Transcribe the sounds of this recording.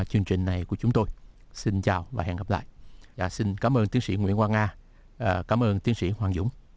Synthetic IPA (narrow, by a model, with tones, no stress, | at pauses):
t͡ɕɨ˧əŋt͡ɕï˨˩ŋ̟na˨˩jku˧˩ət͡ɕʊ˨˦ŋ͡mt̪o˧j | si˧nt͡ɕaː˨˩wvaː˨˩ɦɛ̰˧˨ŋɣə˨˩pla̰ː˧˨jʔaː˧˩si˧nkaː˨˦mʔəː˧nt̪i˨˦ənsḭ˧˥ŋwḭ˧˥ənkwaː˧ŋaː˧˨ | kaː˨˦mʔəː˧nt̪i˨˦ənsḭ˧˥hwaː˨˩ŋzʊ̰˧˥˦ŋ͡m